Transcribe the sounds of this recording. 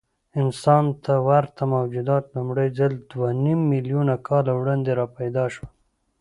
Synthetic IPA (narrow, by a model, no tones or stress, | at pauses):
ɪnsɑnt̪ʰawaɾt̪amawd͡ʒud̪ɑt̪lʊmɽəjzald̪wanimːiljunakʰɑlawɽɑnd̪eɾɑpajd̪ɑʃwa